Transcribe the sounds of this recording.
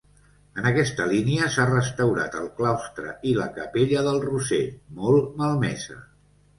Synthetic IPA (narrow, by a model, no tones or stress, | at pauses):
ənəkɛst̪əliniəsarəst̪əwɾa̰t̪əlˠklawst̪ɾə̰iləkəpeʎəðəlˠrusemɔlˠməlˠmɛ̰zə̰